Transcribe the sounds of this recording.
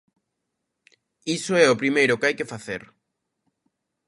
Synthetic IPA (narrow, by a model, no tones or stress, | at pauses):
isoɛʊpɾimejɾʊkɪajkefaθeɾ